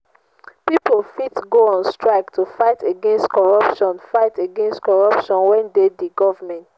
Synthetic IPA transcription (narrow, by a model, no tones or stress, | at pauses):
pipolfitɡoɔ̃nstɹaɪktʰufaɪtʰeɡɛ̃nstkɔɹʌpʃɔ̃nfaɪteɡɛ̃nstkɔɹʌpʃɔ̃nwɛ̃ndediɡɔvəmɛ̃nt